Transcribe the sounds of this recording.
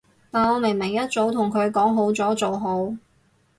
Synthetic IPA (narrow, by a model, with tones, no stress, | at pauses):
t̪aː˨nɔː˨˧mɪ˨˩ŋmɪ˨˩ŋjɐ˥t̚t͡so˨˥wt̪ʰʊ˨˩ŋkʰɵ˨˧ɥkɔː˨˥ŋɦo˨˥wt͡sɔː˨˥t͡so˨wɦo˨˥w